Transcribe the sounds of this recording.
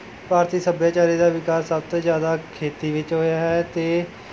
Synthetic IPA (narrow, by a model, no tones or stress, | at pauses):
paːɾt̪iːsəbjaːt͡ʃaːɾiːd̪aːʋɪkaːsːəb̚t̪õːzjaːd̪aːkʰeːt̪iːʋɪt͡ʃɦoːjaːɦɛːt̪eː